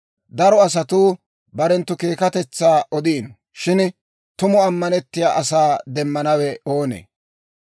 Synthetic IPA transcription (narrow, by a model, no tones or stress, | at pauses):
d̪ɐɾɔɐs̬ɐt̪uː | bɐɾɛnt̪ːʊke̞ːkɐt̪ɛt͡sːaːʔɔd̪iːn | ʃɪn | t̪ʊmɔɐmːɐnɛt̪ːɪja̰ːʔɐsaːd̪ɛmːɐnɐwɛo̞ːnḛː